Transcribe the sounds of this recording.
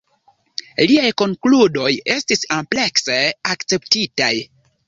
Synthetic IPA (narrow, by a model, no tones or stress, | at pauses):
liajko̞ŋkludo̞je̞stisomple̞kseakt͡se̞ptitaj